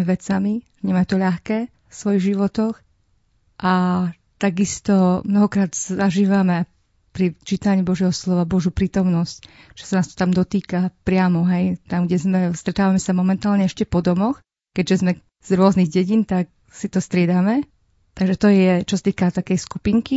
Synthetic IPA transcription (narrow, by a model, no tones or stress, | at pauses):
ɛʋɛt͡sami | ɲɛmat̪ɔʎaxkɛː | fsʋɔjiɣʒiʋɔt̪ɔx | ʔa | t̪aɡist̪ɔmnɔɦɔkɾaːd̪sazaʒiːʋamɛ | pɾit͡ʃiːt̪aɲiːbɔʒjɛɦɔslɔʋabɔʒjupɾiːt̪ɔmnɔsct͡ʃɛ̥sanaːst̪ɔ̥t̪amd̪ɔt̪iːkapɾɪamɔɦɛjt̪amɡɟɛzmɛst̪ɾɛt̪aːʋamɛsamɔmɛnt̪aːlɲɛɛʃcɛpɔd̪ɔmɔx | kɛɟʒɛzmɛ | z̥ɾʊɔzniɣɟɛɟint̪ak̚ | sit̪ɔst̪ɾɪɛd̪amɛ | t̪aɡʒɛt̪ɔjɛt͡ʃɔsat̪iːkat̪akɛjsku̥piŋki